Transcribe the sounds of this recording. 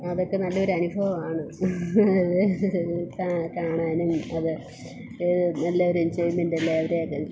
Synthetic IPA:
ɐðo̞kːe̞nɐlːɐoɾuɐnubʱɐʋɐmaːɳɨ | ɐðɨ | kakaːɳaːnumɐðɨ | ɨnɐlːɐoɾind͡ʑejmendɐlːeːʋɐɾeokːe

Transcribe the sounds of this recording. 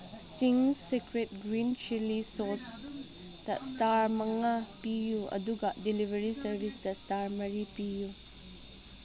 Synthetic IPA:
t͡ʃiŋsekɾet̚ɡɾint͡ʃilisos | d̥ɐ̰staɾmɐŋapijuɐ̰duɡɐdilibʱɐɾisɐɾbʱisdɐstaɾmɐɾipiju

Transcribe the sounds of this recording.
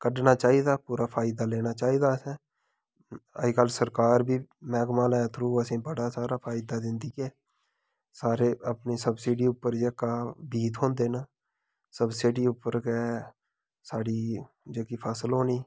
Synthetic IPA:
kəɖnaːt͡ʃaːiːd̪aːpuːɾaːpʰaːɪd̪aːleːnaːt͡ʃaːiːd̪aːsɛ̃ː | ə̰ikəlsəɾkaːɾbʱiːmɛ̃ːɡmaːlɛːt̪ʰɾuːəsĩːbəɽaːsaːɾaːpʰaːɪd̪aːd̪ɪnd̪iːkɛː | saːɾeːəpniːsəbsɪːɖiːʊpːəɾd͡ʒekːaːbiːt̪ɦõːnd̪eːnaː | səbsɪɖiːʊpːəɾkɛː | saːɽiː | d͡ʒeːkiːpʰəsəlɦoːniː

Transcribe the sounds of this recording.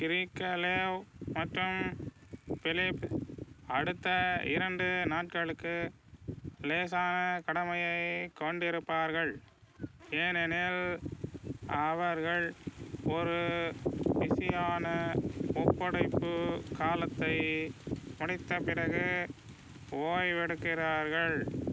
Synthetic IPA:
kɪɾikːɐleːʋmɐʈrɯm | fɪlɪp | ɐɽɯt̪ːɐɪ̰ɾɐɳɖɯnaːʈ̚kɐɭɯkːɯ | leːsaːnɐkɐɽɐmɐjɐɪkɐɳɖɪɾɯpːaːɾɣɐɭ | eːnɛneːl | ɐʋɐɾɣɐɭɔɾɯ | ʋɪsɪjaːnɐɔpːɔɽɐɪpːɯkaːlɐt̪ːɐɪ | mʊɽɪt̪ːɐpɪɾɐɣɯ | oːjʋɛɽɯkːɪraːɾɣɐɭ

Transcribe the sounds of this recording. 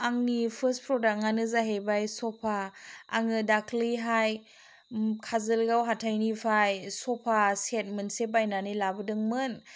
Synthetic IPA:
aŋnipʰɯspʰɾɔdak̚ŋanɯzaɦebajsɔpʰaːŋɯdakʰliɦaj | kʰazɯlɡawɦatʰajnipʰajsɔpʰaset̚mɯnsebajnanilabɯdɯŋmɯn

